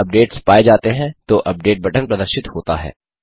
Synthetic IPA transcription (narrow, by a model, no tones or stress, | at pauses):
ɐp̚ɖeːʈspaːed͡ʒaːt̪eɦɛ̃t̪oʔɐp̚ɖeːʈ̚bʱɐʈənpɾɐd̪əɾʃɪt̪hoːt̪a̰ɦɛ̰ː